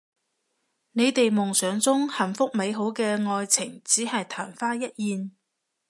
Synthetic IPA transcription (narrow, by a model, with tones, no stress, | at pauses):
ne˨˧jt̪e˨jmʊ˨˩ŋsœː˨˥ŋt͡sʊ˥ŋhɐ˨˩nfʊ˥k̚me˨˧jɦo˨˥wkɛː˧ŋɔː˧jt͡sʰɪ˨˩ŋt͡siː˨˥hɐ˨jt̪ʰaː˨˩nfaː˥jɐ˥t̚jiː˨˧n